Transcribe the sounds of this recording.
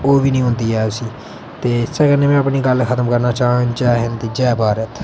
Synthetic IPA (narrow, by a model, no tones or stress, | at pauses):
oːbiːnĩːɦʊ̃nd̪iːɦɛːʊsiː | t̪eːɪsɛːkənːẽːmɛ̃ːəpɳiːɡəlkʰət̪əmkəɾnaːt͡ʃaːɦãd͡ʒɛːɦənd̪eːd͡ʒɛːbaːɾət̪ʰ